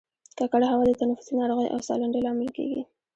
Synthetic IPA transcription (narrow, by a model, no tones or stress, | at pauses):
kɑkaɽahawɑd̪ət̪anafʊ̥sinɑɾoɣəjʔa̰wsɑ̰laɳɖelɑmɪlkḛɡḭ